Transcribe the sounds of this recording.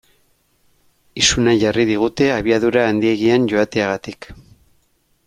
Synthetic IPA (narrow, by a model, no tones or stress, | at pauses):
isunaʝariðiɣ̞ut̪e̞aβ̞iaðuɾaːnd̪ie̞ɣianɟo̞at̪eaɣat̪ik